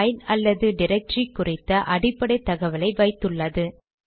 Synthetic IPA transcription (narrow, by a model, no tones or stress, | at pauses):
jnɐlːɐðɯɖɪɾɛk̚ʈrikːʊrɪt̪ːɐʔɐɽɪpːɐɽɐɪt̪ːɐɣɐʋɐlɐɪʋɐɪt̪ːɯɭːɐðɯ